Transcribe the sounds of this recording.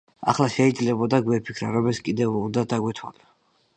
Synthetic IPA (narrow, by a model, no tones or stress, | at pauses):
a̰χlˠaʃɛid̪zlɛbɔd̪aɡwɛpʰi̥kʰɾaɾɔmɛskʼid̪ɛvund̪ad̪aɡwɛt̪ʰwa̰la